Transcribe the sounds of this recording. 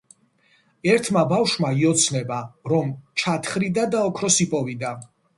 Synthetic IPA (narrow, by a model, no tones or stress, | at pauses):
ɛɾt̪ʰmabafʃmaiɔt̪sʰnɛbaɾɔmt͡ʃʰat̪ʰχɾid̪ad̪aɔkʰɾɔsipʼɔvid̪a